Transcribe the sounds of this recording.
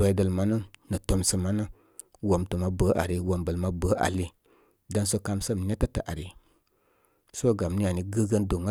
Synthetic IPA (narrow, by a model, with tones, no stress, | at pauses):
o˨i˦də˨lma˨nə˦nə˨to˨msə˨ma˨˦nə˦ | wo˨mtu˨ma˨bə˨˦ʔa̰˨ɾi˦wo˨mbə˨lma˦bə˨˦ʔa̰˨li˦ | da˧˦nso˦ka˧msə˦˨m˨ne˦ta˦tə˨ʔa̰˨ɾi˦ | so˦˨ɡa˨mni˦a˨ni˨ɡə˦ɡə˦ndo˨ŋa˦